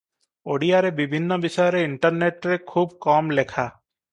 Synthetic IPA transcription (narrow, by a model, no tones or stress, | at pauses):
oːɽijaɾebɪbʱɪnːəbɪʃəɾeɪɳʈəɾneːʈɾekʰuːbkaːmlekʰaː